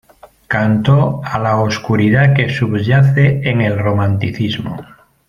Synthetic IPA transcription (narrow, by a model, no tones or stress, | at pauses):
kant̪oalaoskuɾiðake̞suβʝaθeeŋe̞lromãnt̪iθizmo̰